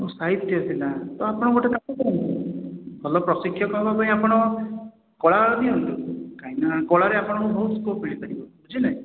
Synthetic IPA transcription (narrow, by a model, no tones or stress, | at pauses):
osaɦit̪ːjɔsilat̪ɔapɔɽ̃ɔɡʱoʈekakɔd̪ɔɦɔnt̪ubʰʱɔlɔpɾɔsikʰːjɔkɔɦɔbapaĩapɔɽ̃ɔ | kɔɭaaɭɔd̪iɦɔnt̪ukaɦĩnakɔɭaɾeapɔɽ̃ɔkũbʱoɦuskopiɽikɔɾibɔ | d͡ʒinaĩ